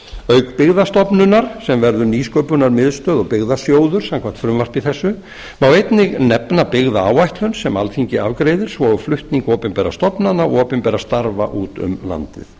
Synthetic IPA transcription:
œɥkpɪɣðast̪ɔpnʏnːaɾ̥sɛmvɛɾðʏɾniːskœɥpʏnaɾmɪðst̪œːðɔɣpɪɣðasjoːwðʏɾ̥samkʰvaht̪fɾʏmvar̥pɪθɛsːʏ | mawejt̪nɪɣnɛpnapɪɣðaaːwajht̪hʏnsɛmalθiɲcɪavkɾejðɪɾ̥svɔʏflʏht̪niŋkɔːpɪnpɛɾa̰st̪ɔpnanaɔ̰ɔːpɪnpɛɾast̪aɾva̰ʔuːt̪ʏ̰mla̰nt̪ɪ̰θ

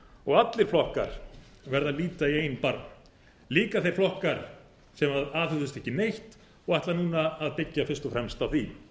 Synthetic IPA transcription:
ɔɣat̪lɪɾ̥flɔhka̰ɾ̥ | vɛɾðaliːt̪aieːjnpaɾnn | liːkaθejɾ̥flɔhkaɾ̥ | sɛmaðaːðhʏðʏst̪ɛhcɪnejht̪ | ɔɣaht̪lanuːnaːðpɪcːafɪ̥st̪ɔfɾɛmst̪awθi

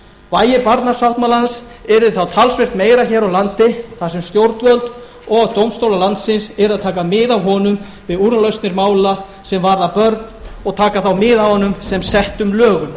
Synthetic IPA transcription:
vaːjɪpaɾt̪naɾ̥sawht̪malans | ɛɾɪθawt̪ʰalsvɪr̥t̪meːjɾaçɛːɾawlant̪ɪθasɛmst̪jowɾt̪vœlt̪ | ɔɣt̪owmst̪owlalant̪sɪnsɛɾaðt̪ʰaːkamɪːðawɦɔnʏm | vɪðuɾalœɥst̪nɪɾmaːwla | sɛmvaɾðapœɾt̪nɔɣt̪ʰaːkaθawmɪðawhɔnʏmsɛmsɛht̪ʏmlœːɣʏm

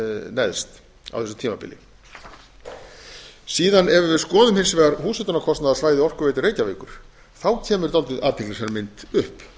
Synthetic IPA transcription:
nɛðst̪ | a̰wfθɛsʏ̥mt̪ʰiːmapɪ̰lɪ̰ | siːðanɛvʏɾvɪðskɔːðʏmhɪnsvɛːɣaɾɦuːsɛt̪ʏnakʰɔst̪naðaðsvaːjðɪɔr̥kʏveːjt̪ɪreːjcaveːkʏɾ̥ | θawcʰɛːmʏɾ̥t̪alt̪ɪða̰ːt̪ʰɛklɪsɛɾmɪnt̪ʏhp

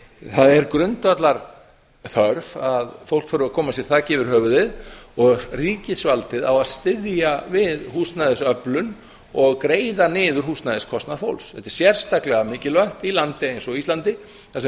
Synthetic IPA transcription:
θaðɛɾkɾʏnt̪vat̪laɾ | θœɾvaðfow̪kfœːɾʏakʰɔːmasjɛɾ̥θacɪːvɪɾ̥hœːvʏðɪðɔɣriːcɪsvalt̪ɪðawaðst̪ɪðjavɪðhuːst̪najðɪsœplʏn | ɔɣkɾeːjðanɪːðʏɾ̥huːstnajðɪskʰɔst̪naðfo̰wlsθɛt̪ɛ̥ɾ̥sjɛr̥st̪aklɛɣamɪːcɪlvœht̪ilant̪ɪejnsɔiist̪ant̪ɪ | θasɛ

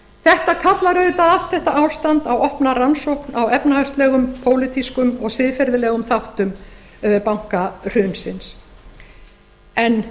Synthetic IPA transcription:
θɛht̪akʰat̪laɾœɥt̪aðal̥t̪θɛht̪aʔawst̪ant̪awɔhpnaransowpnawɛpnahast̪lɛɣʏmpʰoːwlɪt̪iskʏmɔɣsɪðfɛɾðɪlɛːɣʏmθawht̪ʏm | pawŋ̥kar̥ʏnsɪns | ɛn

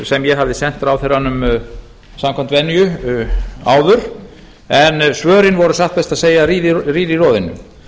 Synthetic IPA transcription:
sɛmjɛɦavðɪsɛn̥t̪ɾawθɛrːanːʏm | samkʰam̥t̪vɛnːjʏ | aːwðʏɾ̥ | ɛnsvœːɾɪnvɔɾʏsaht̪pɛst̪aðseːjaɾiːðɪriːðirɔːðɪnːʏ̰m

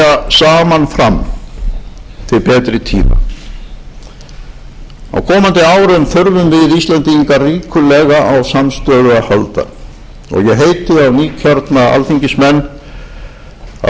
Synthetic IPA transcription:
asaːmanfɾam | t̪ʰɪɾpɛːt̪ɾɪt̪ʰḭːma̰ | a̰wkʰɔːmant̪ɪaːwɾɪmθʏɾvʏmvɪðist̪lɛnt̪iŋkariːkʰʏlɛːɣaʔawsamst̪œːðʏahalt̪a̰ | ɔ̰ɣjɛɦejt̪ɪawniːcʰaɾt̪naa̰lθiɲcɪsmɛnː | a̰

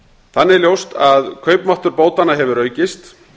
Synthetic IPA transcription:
θanːɪɛɾljowst̪aðkʰœːɥpmaht̪ʏɾpoːwt̪anːaɦɛvʏɾœːɥcɪst̪

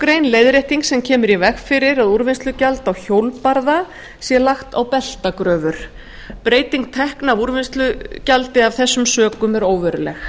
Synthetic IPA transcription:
kɾejnlejðɾejht̪iŋksɛmcʰɛːmʏɾivɛxfɪɾɪɾaðuɾvɪnst̪lʏcalt̪awçowlpaɾða | sjɛlaxt̪a̰wpɛl̥t̪akɾœːvʏɾ̥ | pɾeːjt̪iŋk̚t̪ʰɛhknavuɾvɪnst̪lʏcalt̪ɪav̥θɛsːʏmsœːkʏmɛɾoːwvɛɾʏlɛ̰x

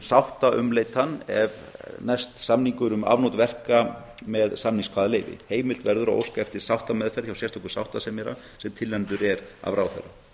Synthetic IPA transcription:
sawht̪aʔʏmleːjt̪hanːɛ̰v | nɛst̪samniŋkʏɾʏma̰vnot̪vɛr̥kamɛðsamniŋskʰvaːðaleːjvɪ̰heːjmɪlt̪vɛɾðʏɾaʔo̰wskaɛft̪ɪ̥sawht̪amɛðfɛɾθçjawsjɛr̥st̪ʰɔkʏ̥sawht̪asɛmɛɾa̰ | sɛmt̪ʰɪlːɛnt̪ʏɾɛɾa̰vɾawθɛ̰rːa̰

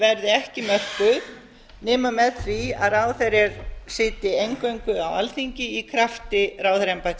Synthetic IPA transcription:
vɛɾðɪɛhcɪmœr̥kʏð | nɪːmamɛðθvia̰ðraːwθɛɾɪɾsɪːt̪ɪejŋkœɥŋkʏa̰wa̰lθiɲcɪikʰɾaft̪ɪraːwθɛɾɛmpat̪

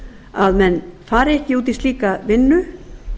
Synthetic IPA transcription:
aðmɛnfaːɾɛhcɪuːt̪̬ist̪liːkavɪnːʏ

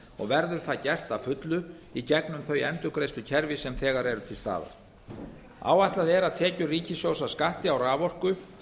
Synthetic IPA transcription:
ɔ̰ɣvɛɾðʏɾ̥θaðcɛr̥t̪afʏt̪lʏ | icɛknʏmθœɥjɛnt̪ʏkɾejst̪ʏcʰɛɾvɪsɛmθɛːɣaɾɛɾʏt̪ʰɪlst̪a̰ːða̰ | a̰ːwajht̪laðɛɾaðt̪ʰɛːcʏriːcɪsjowsaskaht̪ɪawraːvɔr̥kʏ

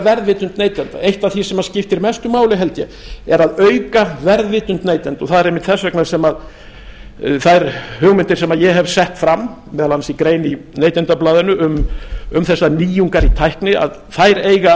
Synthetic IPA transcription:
vɛɾðvɪːt̪ʏnt̪neːjt̪ɛnt̪a̰ejht̪aθisɛmascɪft̪ɪɾmɛst̪ʏmaːwlɪɦɛlt̪jɛ̰ | ɛɾaðœɥkavɛɾðvɪːt̪ʏnt̪neːjt̪ɛnt̪ɔɣθaðɛɾejmɪht̪θɛsvɛknaɾsɛmað | θaɛɾhʏɣmɪnt̪ɪɾ̥sɛmaðjɛɦɛvsɛht̪fɾamːmɛːðalansikɾeːjnineːjt̪ɛnt̪aplaːðɪnʏʏmʏmθɛsːaniːjuŋkaɾit̪ʰajhknɪa̰ð | θajɾeːjɣa

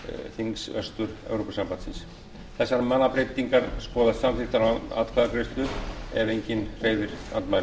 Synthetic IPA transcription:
θiŋksœst̪ʏɾɛ̰wɾopasampant̪sɪns | θɛsːaɾmanːapɾejt̪iŋkaɾskɔːðasamθɪht̪aɾaa̰ːðt̪kʰvaðakɾest̪lʏt̪ɛvejɲcɪnr̥eːjðɪɾ̥a̰nt̪majn

